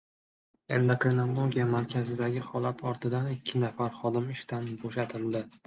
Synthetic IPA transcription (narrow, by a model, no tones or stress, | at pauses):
end̪akɾenalˠoɡʲijamaɾkʲʰazɪd̪aɡʲɪχɒlˠat̪ʰɒɾt̪ʰɪd̪anɪkʲʰːɪnafaɾχɒd̪ɪmɪʃt̪anboʃat̪ʰɪld̪ɪ